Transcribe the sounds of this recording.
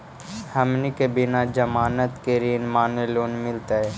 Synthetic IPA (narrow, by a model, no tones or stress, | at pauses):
hɐmnikebɪnad͡ʒɐmaːnət̪keɾiːnmaːneloːnmɪlt̪aɦɛː